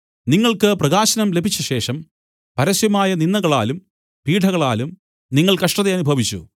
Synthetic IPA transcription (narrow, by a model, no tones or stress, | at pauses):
niŋːɐɭkɨprɐɣaːɕɐnɐmle̞bʱit͡ɕːuɕe̞ːʂɐm | pɐɾɐɕjɐmaːjɐninːɐɣɐɭa̰ːlum | piːʈʰɐɣɐɭa̰ːlum | niŋːɐɭkɐʂʈɐðeɐnubʱɐʋit͡ɕːṵ